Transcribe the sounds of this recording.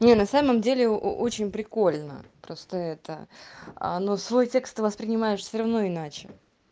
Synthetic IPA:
nʲenɐsaməmdʲelʲɪ̰ʔot͡ɕɪnʲpɾʲɪko̞lʲnə̰pɾo̞st̪əɛt̪ə̰ə̰nosvo̞jtʲe̞kst̪ːɨvəspɾʲɪnʲɪmajɪʂsʲərɐvno̞ɪnat͡ɕɪ̥

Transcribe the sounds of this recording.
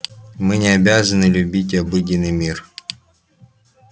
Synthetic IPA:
mɨnʲɪɐbʲazənɨlʲʊbʲitʲɐbɨdʲɪnːɨjmʲir

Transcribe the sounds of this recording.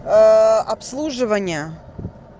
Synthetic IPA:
ɐpslˠuʐɨvənʲɪjə

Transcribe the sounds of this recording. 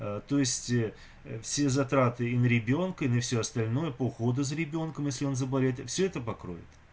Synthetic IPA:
t̪o̞jɪsʲtʲ | fsʲe̞zɐt̪ɾat̪ɨinəɾʲɪbʲo̞nkəinəfsʲoɐst̪ɐlʲno̞jəpəʊxo̞d̪əs̬ɾʲɪbʲo̞nkəmjesʲlʲɪo̞nzəbɐlʲet̪fsʲɵɛt̪əpɐkɾo̞̰vʲɪ̰t̪

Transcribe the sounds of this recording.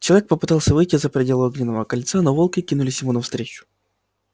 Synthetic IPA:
t͡ɕɪlˠɐvʲek̚pəpɨ̥t̪ɑlˠsʲəvɨjtʲɪzəpɾʲɪdʲelˠʊoɡnʲɪnːəvəkɐlʲt̪sanovolˠkəkʲinʊlʲɪsʲjɪmunɐfst̪ɾʲet͡ɕʊ̥

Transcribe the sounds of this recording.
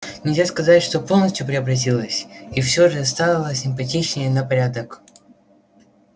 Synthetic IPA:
nʲɪlʲzʲaskɐzatʲʂt̪o̞po̞lˠnəsʲtʲjʊpɾʲɪəbɾɐt̬ʲilˠəsʲifsʲoʐɨɐst̪alʲəlˠəsʲɪmpɐtʲit͡ɕnʲɪjənəpɐɾʲad̪ək

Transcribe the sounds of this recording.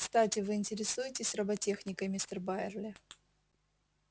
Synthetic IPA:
kst̪atʲɪvɨɪnʲtʲɪɾʲɪsujɪtʲɪsʲrɐbɐtʲe̞xnʲɪkəjmʲɪst̪ərbaɪrlʲɪ

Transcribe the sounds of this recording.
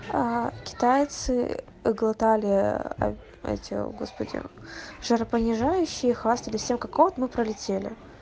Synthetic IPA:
akʲɪ̥t̪ajt̪sɨ | ɪɡlˠɐt̪alʲɪɐ̰ | ɛ̰tʲɪ̰ɡo̞spədʲɪ̰ʐəɾəpənʲɪʐajʉɕːɪjəxvast̪əlʲɪsʲemkakot̪mɨpɾəlʲɪtʲelʲɪ̰

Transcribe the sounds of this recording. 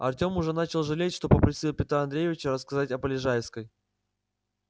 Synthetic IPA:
ɐ̰rtʲo̞mʊʐɛnat͡ɕɪlˠʐɨlʲetʲʂt̪o̞pəpɾʲɪsʲilˠpʲɪt̪ɾaɐnd̪ɾʲejɪvʲɪt͡ɕəɾəskɐzatʲɐpəlʲɪʐajɪfskəj

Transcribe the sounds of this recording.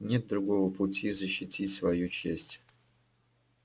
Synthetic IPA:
nʲet̪̚d̪ɾʊɡo̞vəpʊtʲizəɕːɪtʲʰitʲsvɐjut͡ɕesʲtʲ

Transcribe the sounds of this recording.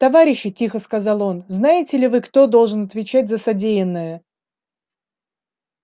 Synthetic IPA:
t̪ɐvaɾʲɪɕːɪtʲixəskɐzɑlˠo̞nznajɪtʲɪlʲɪvɨkt̪o̞d̪o̞lˠʐɨnɐt̪vʲɪt͡ɕætʲzəsɐdʲejɪnːəjə

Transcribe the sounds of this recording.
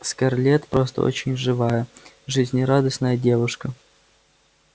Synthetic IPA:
skɐrlʲet̪pɾost̪ə̰o̰t͡ɕɪnʲʐɨvajə | ʐɨzʲnʲɪɾad̪əsnəjədʲevʊʂkə

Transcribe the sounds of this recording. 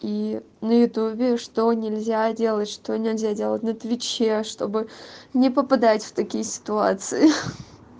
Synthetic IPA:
i | nəjʊt̪ubʲɪʂt̪onʲɪlʲzʲadʲe̞lˠətʲʂt̪onʲɪlʲzʲadʲe̞lˠət̚ʲnət̪vʲɪt͡ɕeʂt̪o̞̰bɨnʲɪpəpɐd̪atʲft̪ɐkʲijəsʲɪ̥t̪ʊa̰t̪sɨɪ

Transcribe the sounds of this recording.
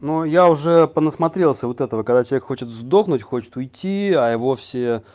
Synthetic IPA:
nojaʊʐɛpənəsmɐt̪ɾʲe̞lˠsʲəvot̪ɛt̪əvəkɐɡd̪at͡ɕɪlˠvʲkxo̞t͡ɕɪt̪zd̪o̞xnʊtʲxo̞t͡ɕɪ̥t̪ʊjtʲʰːiajɪvo̞fsʲɪ

